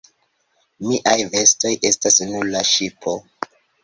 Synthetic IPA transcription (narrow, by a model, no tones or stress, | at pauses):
miʔajve̞sto̞jʔe̞stasnuɾlaʃipʰo̞